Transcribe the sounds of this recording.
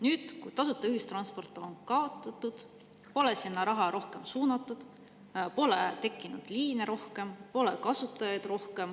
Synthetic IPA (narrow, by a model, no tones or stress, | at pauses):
nyːd̪̥kujt̪ɑsut̪ːˑɑyhist̪rɑnspo̞rt̪ːˑononkɑo̞t̪ːˑɑt̪ːˑud̪̥ | po̞lesinːɑɾɑɦɑɾo̞hke̞msuːnɑt̪ːˑud̪̥ | po̞let̪e̞kːˑinud̪̥liːneɾo̞hke̞mpo̞lekɑsut̪ːˑɑjɑjd̪̥ro̞hke̞m